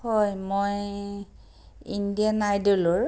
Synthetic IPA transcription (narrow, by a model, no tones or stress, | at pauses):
ɔjmoj | indianajduloɹ